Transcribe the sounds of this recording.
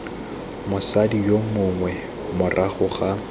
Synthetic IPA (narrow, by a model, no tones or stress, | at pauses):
mʊsadijomʊŋwɛ | mʊrʔaχʊχa